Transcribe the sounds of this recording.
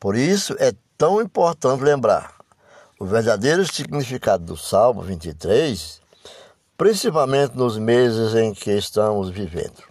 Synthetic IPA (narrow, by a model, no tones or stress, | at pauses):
poɾisʊʔɛt̪ɐ̃w̃ĩpoɾt̪ɐ̃nt̪ɪlẽmbɾa̰ɾ | ʊveɾd̪ad̪ejɾʊsiɡnifikad̪ʊd̪ʊsawmʊ̰vĩnt̪it̪ɾejs | pɾĩsipawmẽnt̪ɪnʊzmezɪzẽj̃kʰɪːst̪ɐ̃mʊzvivḛ̃nd̪ʊ